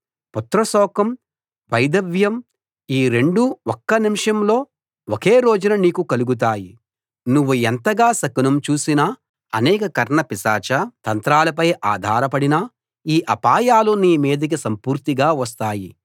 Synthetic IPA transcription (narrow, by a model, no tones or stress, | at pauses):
put̪ɾɐsɔːkɐm | ʋɐjd̪ɐʋjɐm | iːɾe̞ɳɖuɔkːɐnimʂɐmlo̞ː | okeːɾoːd͡ʒunɐniːkukɐluɡut̪̬aːji | nuʋːuɛnt̪ɐɡaːsɐkunɐmt͡ʃuːsinɐ | ɐnɛːkɐkɐɾɳɐpisaːt͡ʃɐt̪ɐnt̪ɾaːlɐp̬ɐjʔaːd̪ʱaːɾɐpɐɽinɐ | iːʔɐpaːjaːluniːmeːd̪ɐk̬isɐmpuːɾt̪iɡaːʋɐs̬t̪aːji